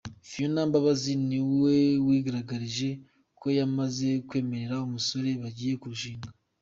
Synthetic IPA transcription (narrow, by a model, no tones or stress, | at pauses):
fijonaːmbaβaziniwe̞wiːɡaɾaɡaɾiʒe̞ | kʰo̞jamaze̞kwe̞ːme̞ɾe̞ɾaumuso̞ɾe̞βaɟiːje̞kuɾuʃiːŋɡa